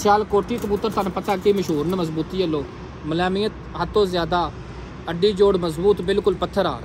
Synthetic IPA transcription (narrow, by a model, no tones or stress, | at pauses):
sjaːlkoːɾt̪iːkəbuːt̪ːəɾt̪ʰanpət̪aːkiːməʃɦuːɾnməzbuːt̪iːəloː | məlɛːmiːət̪ | ɦət̪ːõːzjaːd̪aː | əɖiːd͡ʒoːɽməzbuːt̪bɪlkʊlpət̪ʰːəɾa̰ːɾ